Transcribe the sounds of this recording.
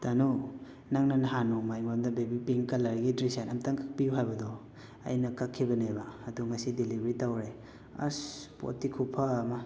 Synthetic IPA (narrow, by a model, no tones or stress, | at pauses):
tanu | naŋnanaɦanɔmajmaɾmdɐbebipiŋkɐlaɾɡidɾisanɐmtaŋkak̚pijuɦajbɐdɔ | ɐ̰jnɐkakʰːibɐnebaɐduŋɐsidilibɾitawɾe | ɐ̰spo̰tikʰupʰaːmɐ